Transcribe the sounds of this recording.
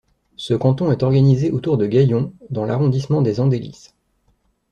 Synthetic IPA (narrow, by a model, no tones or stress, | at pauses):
səkɑ̃t̪ɔ̃ɛt̪ɔʁɡanizeʔot̪uʁd̪əɡʲajɔ̃d̪ɑ̃laʁɔ̃d̪ismɑ̃d̪ezɑ̃d̪elḭs